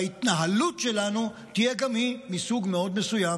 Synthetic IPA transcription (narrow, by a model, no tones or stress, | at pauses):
it̪naɦɐlːut͡ʃelaːnũ | t̪ieɡɐmɦĩmisuːɡmeoːd̪̚mesujaː